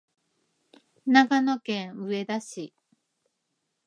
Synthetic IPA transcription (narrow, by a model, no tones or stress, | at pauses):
naɡano̞kẽ̞ɰ̃ɯ̟e̞d̪aɕi